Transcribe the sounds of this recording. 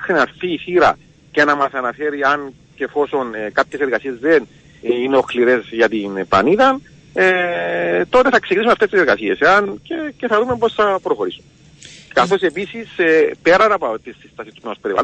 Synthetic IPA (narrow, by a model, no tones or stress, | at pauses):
xɾinɐɾθiːθiɾɐ̰ | cenɐmɐsɐnɐfe̞ɾiɐn | cefo̞so̞nkapçe̞seɾɣɐsie̞zðen | ineo̞xliɾezʝɐt̪inpɐ̰niðɐn | e | t̪o̞t̪e̞θɐksecinisumɐft̪est̪iseɾɣɐsieseɐnceceθɐðumepo̞sθɐpɾo̞xo̞ɾisu̥me | kɐθo̞se̞pisisepe̞ɾɐnɐpot̪isːi̥st̪ɐsist̪u̥pnospe̞ɾivɐ̰l